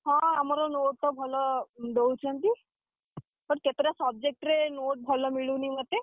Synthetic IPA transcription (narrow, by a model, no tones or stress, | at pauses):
ɦãamaɾɔnoʈ̚t̪ɔbʱɔlɔd̪ewt͡ʃʰənt̪i | pəɳket̪ɾjasɔb̚d͡ʑek̚ʈɾenoʈ̚bʱɔlɔmiɭũːnimət̪ːe